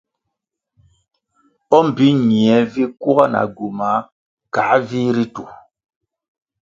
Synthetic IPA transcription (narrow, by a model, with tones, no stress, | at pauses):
ɔ˦m̩˨bi˦ɲi˨ɛ˨˦vi˦ku˦ɣa˦na̰˨ɡu˨ma˨˦ | ka˨˦vi˦ɾi˦tu˨